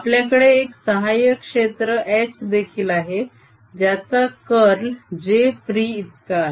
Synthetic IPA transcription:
apljakəɽeːksəɦajəkʂet̪ɾəʔɛsd̪ekʰiːlaɦe | d͡ʑjat̪akəɾld͡ʑefɾiːt̪ka

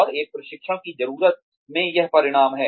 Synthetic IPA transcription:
ɔːɾeːk̚pɾɐʃɪkʃəɽ̃kizɐɾuːɾət̪̚ | mẽjɐɦpɐɾɪɽ̃aːmɦɛː

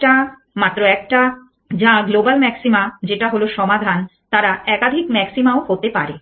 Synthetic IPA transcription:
ʈa | mat̪ːɾoɛkʈa | d͡ʑãɡlobalmɛksimad͡ʑeʈaɦoloʃɔmad̪ʱant̪aɾaɛkad̪ʱikmɛksimaoɦot̪epaɾe

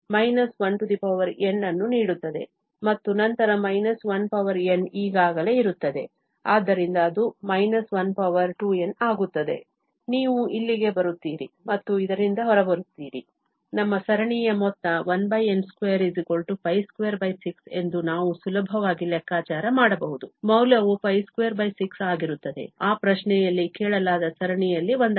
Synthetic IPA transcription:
mɐjnɐsʋɐnʈud̪ipɐʋɐɾe̞nːɐnːuniːɽut̪ːɐd̪e̞̰ | mɐt̪ːunɐnt̪ɐɾɐmɐjnɐsʋɐnpɐʋɐɾe̞niːɡaːɡɐle̞ːiɾut̪ːɐd̪e̞̰ | aːd̪ːɐɾind̪ɐːd̪umɐjnɐsʋɐnpɐʋɐɾʈue̞naːɡut̪ːɐd̪e̞̰ | niːʋuʔilːiɡe̞bɐɾut̪ːiːɾimɐt̪ːuid̪ɐɾind̪ɐɦɔɾɐbɐɾut̪ːiːɾḭ | nɐmːɐsɐɾɐɳijɐmɔt̪ːɐʋɐnbɐjenskʋeːɾizikolʈupɐjskʋeːɾbɐjsikse̞̰nd̪unaːʋusulɐbʱɐʋaːɡilɛkːaːt͡ʃaːɾɐmaːɽɐbɐɦud̪umɐwlɐʋupɐjskʋeːɾbɐjsiksaːɡiɾut̪ːɐd̪e̞̰aːpɾɐʃnɛjɐlːikɛːɭɐlaːd̪ɐsɐɾɐɳijɐlːiʋond̪

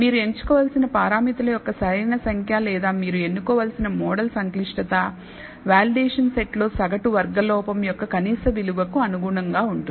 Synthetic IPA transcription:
miːɾue̞ɲt͡ʃu̥kɔːʋaːlsinɐpaːɾaːmit̪ɐlɐjɔkːɐsɐjnɐsɐŋkʰjaːlɛːd̪aːmiːɾue̞nːukɔːʋaːlsinɐmɔːɽɐlsɐŋkliʂʈɐt̪ɐ | ʋaːliɖeːʂɐnse̞ʈlo̞ːsɐɡɐʈuʋɐɾɡɐlɔːpɐmjɔkːɐkɐniːsɐʋiluʋɐkuɐnuɡuɳɐŋɡaːuɳʈun

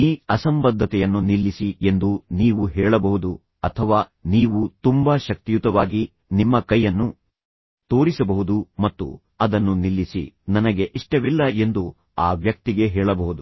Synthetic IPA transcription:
iːɐsɐmbɐd̪ʱːɐt̪ɛjɐnːunilːisie̞nd̪uniːʋuɦɛːɭɐbɐɦud̪u | ɐt̪ʰɐʋaːniːʋut̪umbaʃɐk̚t̪ijut̪ɐʋaːɡi | nimːɐkɐjːɐnːu | t̪o̞ːɾisɐbɐɦud̪umɐt̪ːṵ | ɐd̪ɐnːunilːisḭnɐnɐɡe̞ʔiʂʈɐʋilːɐe̞nd̪u | a̰ːʋjɐk̚t̪iɡe̞ɦɛːɭɐbɐɦud̪u

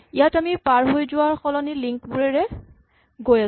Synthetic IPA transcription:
ijatamipaɹɦojzʊwaɹxɔlɔniliŋkbuɹɛɹɛ | ɡoja

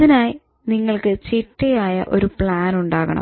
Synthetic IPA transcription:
inaːji | niŋːɐɭkɨt͡ɕiʈːɐjaːjɐ̰ʔo̞ɾupɭaːnuɳɖaːɣɐ̰ɳɐ̰

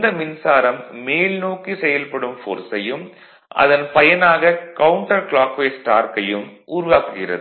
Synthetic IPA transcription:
d̪ɐmɪnsaːɾɐmːeːlnoːkːisɛjɐlpɐɽɯmfo̰ːɾsɐjɯm | ʔɐ̰ðɐnpɐjɐnaːɣɐkɐwɳʈɐɾkɭaːkʋeːsʈaːɾkɐjɯmʔuːɾʊʋaːkɯɣɪrɐ̰ðɯ

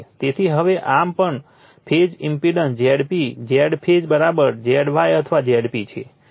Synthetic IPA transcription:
t̪et̪ʰiɦəʋeʔampəɳ | pʰed͡ʒimpiɖənsd͡ʒɛɽpid͡ʒɛɽpʰed͡ʒbəɾabəɾd͡ʒɛɽʋajət̪ʰəʋad͡ʒɛɽpit͡ʃʰe

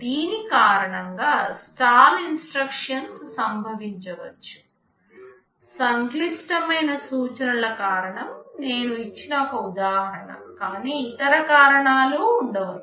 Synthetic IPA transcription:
d̪iːnikaːɾɐɳɐŋɡaːsʈaːlinsʈɾɐkʂɐnsːɐmbʱɐʋiɲt͡ʃɐʋɐ̰t͡ʃːu̥ | sɐŋklisʈɐmɐjnɐsuːt͡ʃɐnulɐkaːɾɐɳɐmne̞ːnuit͡ʃːinɐɔkɐud̪aːɦɐɾɐɳɐ̰kaːniːit̪ɐɾɐkaːɾɐɳaːloːuɳɖɐʋɐl

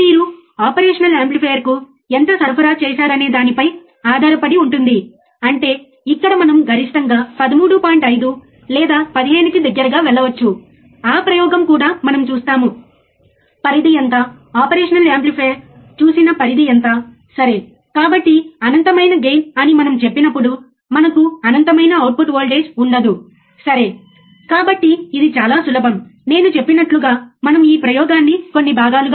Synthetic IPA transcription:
miːɾu | aːpɐɾeːʂɐnɐlaːmplipʰeːjɐɾku | ent̪ɐsɐɾpʰɐɾaːt͡ʃɛːʃaːɾɐne̞ːd̪aːnipɐj | aːd̪ʱaːɾɐpɐɽiuɳʈund̪i | ɐɳʈe̞ː | ikːɐɽɐmɐnɐmɡʱɐɾiʂʈɐŋɡaːpɐd̪ɐmuːɽupaːjɳʈɐjd̪u | lɛːd̪aːpɐd̪iɦe̞ːnukid̪ɐɡːɐɾɐɡaːʋɛɭːɐʋɐt͡ʃːu | aːpɾɐjɔːɡɐmkuːɽaːmɐnɐmt͡ʃuːst̪aːmu | pɐɾid̪iɐnt̪a | aːpɐɾeːʂɐnɐleːmplipʰeː | t͡ʃuːsinɐpɐɾid̪iɐnt̪aː | sɐɾe̞ː | kaːbɐʈːiɐnɐnt̪ɐmɐjnɐɡejnɐnimɐnɐmt͡ʃe̞pːinɐpːuɽu | mɐnɐkuɐnɐnt̪ɐmɐjnɐːwʈ̚puʈʋoːlɖe̞ːd͡ʒuɳɖɐd̪u | sɐɾe̞ː | kaːbɐʈːiːd̪it͡ʃaːlaːsulɐbʱɐmne̞ːnut͡ʃe̞pːinɐʈluɡaːmɐnɐmiːpɾɐjɔːɡaːnːiko̞nːibʱaːɡaːluɡ

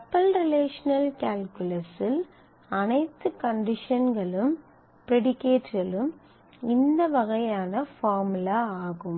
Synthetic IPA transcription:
ɐpːɐlɾɪleːʂɐnɐlkaːlkɯlɐsɪl | ɐnɐɪt̪ːɯkɐɳɖɪʂɐnɡɐɭɯm | pɪɾɛɽɪkːeːʈɡɐɭɯm | ɪnd̪ɐʋɐɣɐjaːnɐfaːɾmɯlaaːɣɯm

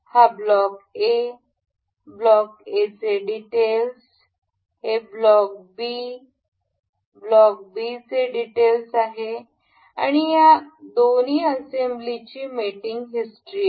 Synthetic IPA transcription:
hablɔke | blɔket͡seɖiʈels | heblɔk̚bi | blɔk̚bit͡seɖiʈelsaɦe | a̰ɽ̃ijad̪oniːəsemblit͡ɕiːmiʈiŋɡɦisʈɾi

